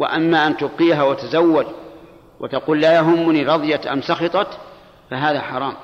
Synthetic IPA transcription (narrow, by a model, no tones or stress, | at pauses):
wɪ̰ʔamːaʔant̪ʊbqiːɦawat̪azawːad͡ʒ | wɪ̰t̪aquːllaːjaɦʊmːʊniɾˤɑðˤjat̪ʔa̰msɑxɑt̪ˤɑt̪ | faɦaːðaħɑɾˤɑːm